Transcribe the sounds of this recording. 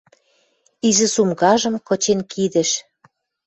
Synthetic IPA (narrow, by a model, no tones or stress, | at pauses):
izɘ̆sumɣɑʒə̆mkɤ̆t͡ɕenkid̪ɘ̆ʃ